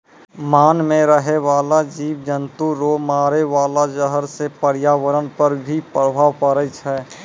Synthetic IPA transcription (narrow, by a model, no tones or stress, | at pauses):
maːnmẽɾəɦeʋaːlad͡ʒiːʋd͡ʒənt̪uɾomaːɾeʋaːlad͡ʒəɦəɾsepəɾjaːʋəɾənpəɾbʱipɾəbʱaːʋpəɾət͡ʃʰɛ